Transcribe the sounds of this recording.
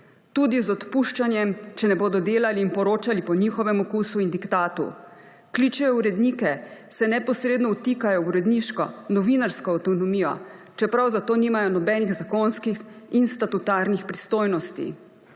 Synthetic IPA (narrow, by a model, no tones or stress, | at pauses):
t̪ud̪izɔt̪puʃt͡ʃanjɛmt͡ʃɛnɛboːd̪ɔd̪eːlaliːnpɔɾoːt͡ʃalipɔɲiːxɔʋɛmɔkuːsuind̪ikt̪aːt̪ṵ | kliːt͡ʃɛuɾɛd̪niːkɛsɛnɛpɔsɾeːd̪nɔut̪iːkajɔuɾɛd̪niʃkɔ̰nɔʋiːnaɾskɔːwt̪ɔnɔmiːjɔ̰ | t͡ʃɛpɾawzat̪oːniːmajɔnɔbɛniɣzakonskixinst̪at̪ut̪aːɾnixpɾist̪oːjnɔst̪ḭ